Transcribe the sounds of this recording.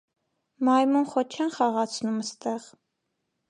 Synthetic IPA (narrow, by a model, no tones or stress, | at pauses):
mɑjmunχɔt͡ʃʰɛnχɑʁɑt͡sʰnuməst̪ɛʁ